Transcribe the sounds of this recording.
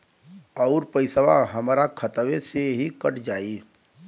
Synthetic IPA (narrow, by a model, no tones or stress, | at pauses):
ɔːʊɾpəɪsəʋa̰ɦəmɾakʰət̪ʋeseɦikəʈʰd͡ʒaːi